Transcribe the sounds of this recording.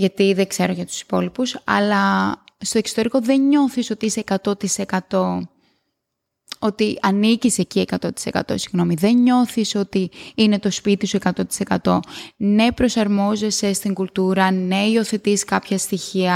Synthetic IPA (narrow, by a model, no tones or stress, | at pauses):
ʝɐt̪iðeɡse̞ɾoʝɐt̪u̥si̥po̞lipusɐ̰lɐst̪o̞e̞ksot̪eɾiko̞ðe̞ɲɲo̞θiso̞t̪iiseekɐt̪o̞t̪ise̞kɐt̪o̞ | o̞t̪iɐnicise̞cie̞kɐt̪o̞t̪i̥se̞kɐ̰t̪o̞̰siɣno̞miðe̞ɲo̞θiso̞t̪iine̞t̪o̞spit̪isue̞kɐt̪o̞t̪i̥se̞kɐt̪o̞ne̞pɾo̞sɐɾmo̞ze̞se̞st̪iŋɡult̪uɾɐne̞io̞θe̞t̪iskɐpçɐst̪içiɐ